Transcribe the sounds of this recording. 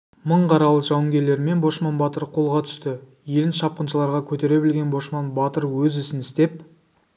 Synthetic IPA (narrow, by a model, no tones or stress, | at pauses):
məɴqʰɑɾɑlˠəʒ̥ɑwəŋɡʲe̞ɾle̞ɾme̞nbo̞ʃmɑnbɑt̪əɾqʰo̞lˠʁɑt̪ʰʏ̥st̪ɪ | je̞lɪnʃɑp̚qənʃəlˠɑɾʁɑkʲʰɵt̪e̞ɾe̞bɪlɡʲe̞nbo̞ʃmɑnbɑt̪əɾwɵzʏsɪnɪst̪e̞p̚